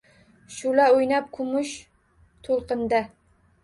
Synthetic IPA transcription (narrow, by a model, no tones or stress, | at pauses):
ʃʊlaojnap̚kʰʊmʊʃ | t̪ʰolˠqɨnd̪a